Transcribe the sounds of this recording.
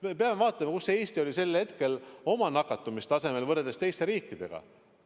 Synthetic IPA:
mepe̞ɑmevɑːt̪ːˑɑmɑkusːee̞ːst̪io̞lʲise̞lhe̞t̪ke̞lo̞mɑnɑkːˑɑt̪ːˑumist̪ɑse̞me̞lvɤɾed̪est̪e̞jst̪e̞ɾiːkːˑid̪̥e̞̰ɡ̥ɑ̰

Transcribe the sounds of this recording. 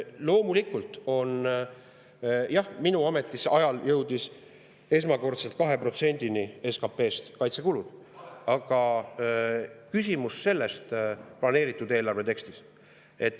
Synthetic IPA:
lo̞ːmulikult̪ˑo̞n | jɑhminuɑme̞t̪ˑːisɑjɑljɤwd̪̥is | e̞s̬mɑko̞rt̪se̞lt̪̚kɑɦe̞pro̞t̪se̞nʲd̪̥inie̞skɑpːe̞ːst̪kɑjt̪sekulud̪̥ | ɑɡ̥ɑ | kysʲimusse̞lːe̞st̪plɑne̞ːɾit̪ːˑud̪e̞ːlɑrve̞t̪e̞kst̪is | e̞t̪ːˑ

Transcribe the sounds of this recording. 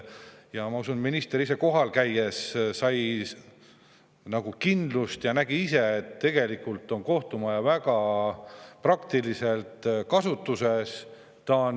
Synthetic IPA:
jɑmɑusunminist̪eɾise̞ko̞ɦɑlkæje̞ssːɑj | nɑɡ̥ukind̪lust̪jɑnæɡiise̞ːt̪ːe̞ɡ̥e̞likːˑult̪ːˑo̞nko̞ht̪umɑjɑvæɡ̥ɑ | prɑkt̪ilise̞lt̪kɑsut̪ːˑuse̞s | t̪ɑn

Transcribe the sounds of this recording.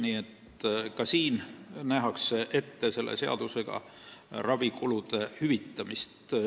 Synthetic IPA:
niːet̪ | kɑsiːnnæɦɑkseʔe̞t̪ːese̞lːʔḛseɑ̰d̪useɡ̥ɑ̰ | rɑvikulud̪̥e̞hyvit̪ːɑmist̪

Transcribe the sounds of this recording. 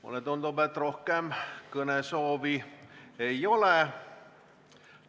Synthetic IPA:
o̰let̪ond̪obet̪rohkemkɤnesoːʋieiole

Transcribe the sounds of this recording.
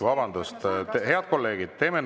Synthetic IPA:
vɑbɑnd̪ust̪t̪ehe̞ɑd̪̥̚ko̞lːe̞ːɡ̥id̪̥̚t̪e̞ːmen

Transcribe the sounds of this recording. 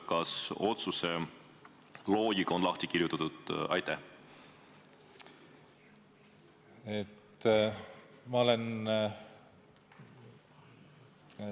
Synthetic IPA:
kɑso̞t̪suse | lo̞ːɡikɑo̞nlɑht̪ikiɾjut̪ːˑɑt̪ud̪̥ɑ̰jt̪æh | et̪ː | mɑolen

